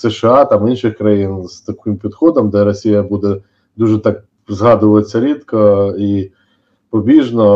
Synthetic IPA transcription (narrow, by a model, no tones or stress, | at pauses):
sɛʃɪɑt̪ɑminʃɪxkɾɐjinz̥t̪ɐkɪmpʲid̪xɔd̪ɔmd̪ɛɾɔsʲijɐbud̪ɛ | d̪uʒɛt̪ɑk̚ | zɦɑd̪ʊʋɐjet͡sʲːɐɾʲit̪kɔi | pɔbʲiʒnɔ